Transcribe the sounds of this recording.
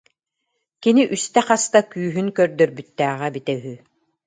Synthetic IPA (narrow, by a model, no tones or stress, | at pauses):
kiniʔyst̪ɛqast̪akyːɦynkœɾd̪œɾbyt̪ːæːʁɛbit̪ɛɦy